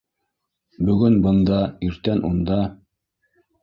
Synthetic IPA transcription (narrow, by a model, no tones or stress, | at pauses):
bɵ̆ɡɵnbɤ̆nd̪ɑiɾt̪ænʔund̪ɑ